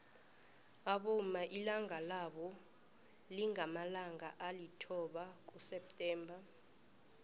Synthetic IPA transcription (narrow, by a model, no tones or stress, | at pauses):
aɓɔmaʔilaŋalaɓɔ | liŋamalaŋaʔalitʰɔɓak̬usɛp̚tʼɛːmbʱa